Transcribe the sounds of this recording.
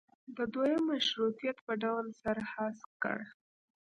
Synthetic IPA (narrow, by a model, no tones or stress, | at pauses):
d̪əd̪ojəmːaʃɾut̪ijat̪pəɖawlsaɾahaskə̰ɽ